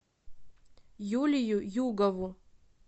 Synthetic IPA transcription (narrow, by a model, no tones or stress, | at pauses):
julʲijujuɡavu